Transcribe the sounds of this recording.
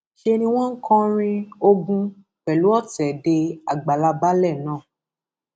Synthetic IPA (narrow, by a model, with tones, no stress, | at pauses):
ʃe˧nĩ˧w̃ɔ̃˦ŋ̩˦kɔ̃˦ɾ̃ĩ˧o˧ɡũ˧ | k͡pɛ˨lu˨˦ɔ˦˨tɛ˨de˧a˨ɡ͡ba˨la˧ba˦lɛ˦˨nãː˦˨